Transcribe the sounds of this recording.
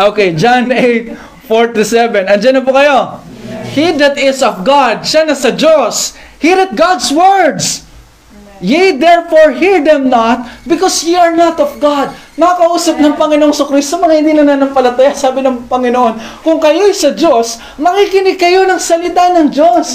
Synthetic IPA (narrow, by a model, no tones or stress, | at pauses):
ʔoːkejd͡ʒanʔejt̪̚ | foɹt̪ʊsɛvɛnɐnd͡ʒɐnːɐp̬ʊkɐjo̞hid̪ɐt̪ɪsɔfɡad̪̚ʃanɐsɐd͡ʒos | hiɾɛt̪̚ɡad̪swɛɹd̪s | jɛjd̪ɛɹfoɹɦiɹd̪ɛmnɐt̪̚bɪkosjiɐɹnɐt̪ɔfɡad̪̚ | mɐkakɐʔuːsɐp̚nɐŋpɐŋɪnoʔoŋsʊkɾist̪omɐŋahɪnd̪ilɐnɐnɐŋpɐlɐt̪ɐjasaːbɪnɐŋpɐŋɪnoʔo̞n | kʊŋkɐjojsɐd͡ʒo̞s | mɐkikɪnɪɡ̚kːɐjo̞nɐŋsɐlɪt̪anɐŋd͡ʒos